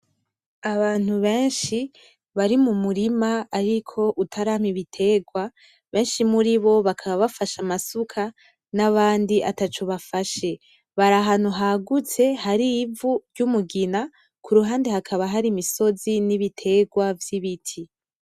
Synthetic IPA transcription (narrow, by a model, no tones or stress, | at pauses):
aβaːn̥huβe̞ːnʃi | βaɾimumuɾimaːɾikʰo̞ʔutʰaɾam̥iβitʰe̞ːɡwa | βe̞ːnʃimuɾiβo̞βakʰaβaβafaʃamasukʰa | naβaːndiʔa̰tat͡ʃoβafaʃe̞ | βaɾaɦan̥huɦaɡut͡se̞haɾiːvuɾɟumuɡina | kʰuɾuɦaːndehakʰaβaɦaɾimiso̞ziniβitʰe̞ɡwavjiβitʰi